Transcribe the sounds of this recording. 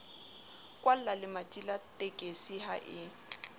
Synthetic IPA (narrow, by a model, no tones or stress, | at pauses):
kʼwal̩lalɪmatʼilatʼekʼesiha̰ʔɪ